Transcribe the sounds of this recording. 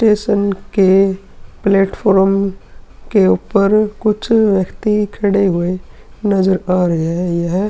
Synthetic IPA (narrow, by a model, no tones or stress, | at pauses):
sʈeːʃənke | pleːʈpʰɔːɾm | keuːpəɾkʊt͡ʃʰʋjəkt̪ikʰəɽeɦʊe | nɐzəɾaːɾɐɦeɛjeɦɛ